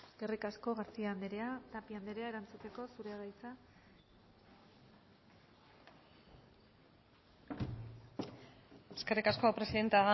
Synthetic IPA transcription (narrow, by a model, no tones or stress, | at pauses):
eske̞rikasko̞ɣaɾt͡siand̪ɾeat̪apiand̪eɾeae̞ɾant͡sut̪e̞ko̞suɾe̞ɣajt͡sa | eskerikasko̞pɾe̞siðe̞nt̪eaða